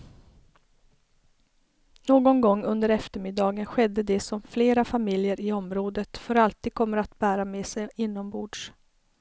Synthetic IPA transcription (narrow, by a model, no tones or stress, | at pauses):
noːɡɔnɡɔŋːɵnd̪əɾɛft̪əɾmɪd̪ɑːɡənɧɛd̪ːəd̪ɛsɔmfleːɾafamɪljəɾʔɪɔmɾoːd̪ət̪fœɾalt̪iːd̪̚kʰɔmːəɾat̪bæːɾamɛsɛjɪnːɔmbuːɖʂ